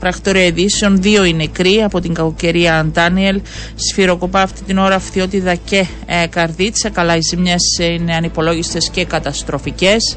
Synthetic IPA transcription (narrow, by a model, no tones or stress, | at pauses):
pɾɐxt̪o̞ɾiɐeðiseo̞nðio̞ine̞kɾiɐpo̞t̪iŋɡɐkoce̞ɾiɐːnt̪ɐnie̞l | sfiɾo̞ko̞pɐːft̪it̪ino̞ɾɐfθio̞t̪it̪ɐce̞ | kɐɾðit͡sɐkɐlɐizimɲesine̞ɐnipo̞lo̞ʝist̪e̞sce̞kɐt̪ɐst̪ɾo̞fice̞s